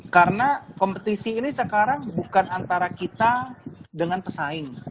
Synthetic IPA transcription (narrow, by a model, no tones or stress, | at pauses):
kaɾənakompət̪isiːnisəkaɾaŋbukanant̪aɾakit̪adəŋanpəsaɪŋ